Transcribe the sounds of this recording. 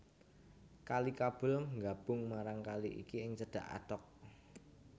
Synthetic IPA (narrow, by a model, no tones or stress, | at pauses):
kalikab̥ʊ̤lŋɡab̥ʊŋmaɾaŋkaliʔḭkiɪŋt͡ʃəɖ̥a̤ʔa̰t̪ɔk̚